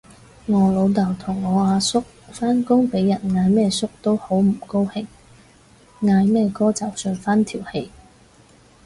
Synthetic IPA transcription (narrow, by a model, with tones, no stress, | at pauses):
ŋɔː˨˧lo˨˧wt̪ɐ˨˩wt̪ʰʊ˨˩ŋːɔː˨˧aː˨˧sʊ˥k̚faː˥nkʊ˥ŋpe˨˥jːɐ˨˩nŋaː˨˧jmɛː˥sʊ˥k̚t̪o˥who˨˥wm̩˨˩ko˥whɪ˨˥ŋ | ŋaː˧jmɛː˥kɔː˥t͡sɐ˨˩wsœː˧nfaː˥nt̪ʰiː˨˩whe˧j